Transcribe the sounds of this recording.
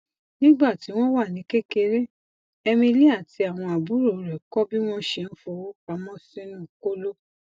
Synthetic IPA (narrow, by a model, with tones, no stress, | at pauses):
nĩ˦ɡ͡ba˦˨ti˨˦w̃ɔ̃˦wa˦˨nĩ˨˦ke˦ke˧ɾe˦ | ɛ˧mĩ˧li˦a˦˨ti˧˦a˨w̃ɔ̃˧a˨bu˨˦ɾo˨ɾɛ˨kɔ˦bi˦w̃ɔ̃˦ʃɛ˧n̩˦fo˧o˦ka˧˦mɔ̃˦sĩ˦nũ˦˨ko˦lo˦